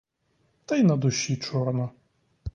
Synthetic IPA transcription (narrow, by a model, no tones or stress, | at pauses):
t̪ajnɐd̪ʊɕʲːit͡ʃɔrnɐ